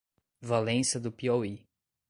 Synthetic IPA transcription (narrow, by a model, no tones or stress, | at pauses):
valẽsɐd̪ʊpiɔwi